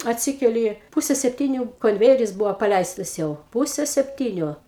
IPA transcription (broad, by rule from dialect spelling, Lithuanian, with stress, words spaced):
ɐtʲˈsʲɪkʲɛlʲɪ ˈpʊsʲɛ sʲɛpʲˈtʲiːnʲʊ koːnʲˈʋʲeːjɛrʲɪs ˈbʊʋoː pɐˈlʲɛɪstɐs jɛʊ ˈpʊsʲɛ sʲɛpʲˈtʲiːnʲʊ